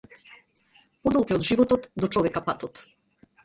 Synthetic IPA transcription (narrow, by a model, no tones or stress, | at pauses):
pɔd̪ɔlˠkiɔd̪ʒivɔt̪ɔt̪d̪ɔt͡ʃɔvɛkapat̪ɔt̪